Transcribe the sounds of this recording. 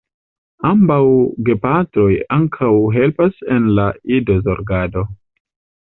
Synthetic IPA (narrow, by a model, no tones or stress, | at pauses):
ambawɡe̞patɾo̞jaŋkʰawɦe̞lpasenlaido̞zo̞ɾɡado̞